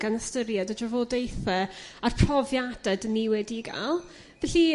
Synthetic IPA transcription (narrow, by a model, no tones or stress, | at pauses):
ɡ̥anəstəɾjadədrəvodejθəarpʰrɔvjad̥ɛdəniwɛdiɡa̰lˠ | vɛɬi